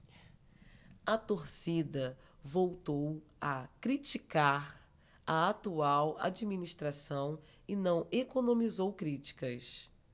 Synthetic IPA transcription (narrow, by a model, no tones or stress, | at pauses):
ɐt̪oɾsid̪ɐ | vowt̪owɐkɾit͡ʃikaɾ | ɐat̪uawa̰d͡ʒiminiʃt̪ɾasɐ̃w̃ | ɪnɐ̃w̃ekonõmizowkɾit͡ʃi̥kɐs